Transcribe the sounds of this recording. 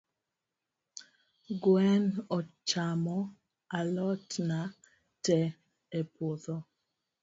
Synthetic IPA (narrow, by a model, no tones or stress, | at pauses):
ɡwɛnɔt͡ʃamɔ | alɔtna | tɛ | epoðɔ